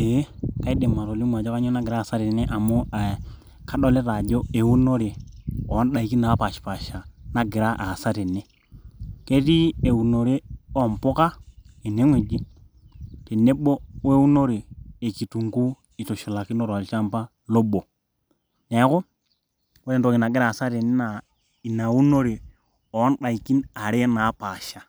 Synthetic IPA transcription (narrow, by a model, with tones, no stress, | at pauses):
e˨˦ka˦i˦de˨mːa˨ɾo˨li˦ma˨d͡ʒɔ˦ka˦ɲo˦na˦ɡɪ˨ɾa˦˨sa˦te˨ne˦ʔa˨mo˦a˨ | kʰa˦ɗɔ˦le˦ɾa˨d͡ʒo˦e˨wu˦no˦ɾe˨ɔ˨˦n˦ɗa˨i˨˦ki˦na˨a˦pa˨ʃpa˨ʃa˨na˦ɡɪ˨ɾa˦ʔa˨sa˦te˨ne˦ | ke˦ti˦e˨u˨no˨ɾe˦ɔ˨mpo˦ka˦i˨ne˨˦ŋwe˨d͡ʒi˦ | tɛ˨ne˦ɓɔ˦we˦wu˦no˦ɾeː˨ki˨tu˨ŋɡu˦ | i˨tɔ˨ʃi˨la˨ki˦nɔ˦ɾa˨i˨t͡ʃa˦mpa˦ | lɔ˦ɓɔ˨ | nɛ˨˦kɔ˦ | wɛ˦ɾɛ˨n˨to˨ki˨na˨ɡɛ˦ɾa˦˨sa˦te˨ne˦na˨ | i˨na˨wu˦no˦ɾe˨ | ɔ˨˦n˦ɗa˨i˨ki˦na˨ɾe˦na˨˦pa˨ʃa˨